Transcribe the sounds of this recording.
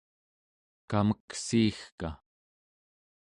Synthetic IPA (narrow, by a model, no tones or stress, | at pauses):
kaməksiːxka